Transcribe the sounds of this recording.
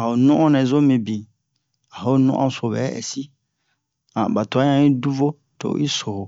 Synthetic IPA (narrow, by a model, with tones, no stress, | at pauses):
a˨o˨nũ˦ɔ̃˦nɛ̃˨zo˦mĩ˨bĩ˨ | a˨ho˨˦nṵ̃˦ʔɔ̰̃˦so˨bɛ˨˦ɛ̰˨si˦ | ã̰˨ba˨to˨a˦ã˦ĩ˦du˦vo˦ | to̰˨˦ʔḭ˦so˨ho˨